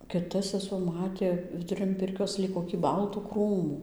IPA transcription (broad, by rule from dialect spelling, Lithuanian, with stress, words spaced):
kʲɪˈtɐ sʲɛˈsuɔ ˈmɑːtʲeː ʋʲɪdʊˈrʲɪn ˈpʲɪrʲkʲoːs ˈlʲiːk koːkʲiː ˈbɐlˠtuː ˈkruːmuː